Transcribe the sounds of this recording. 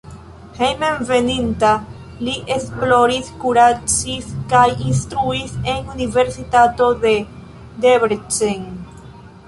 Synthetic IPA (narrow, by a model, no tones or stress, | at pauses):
hejmẽɱvenĩnt̪a | liʔesploɾiskuɾat͡ʃiskajinst̪ɾuiseŋuniveɾsit̪at̪oðe | d̪eβɾt͡ʃeŋ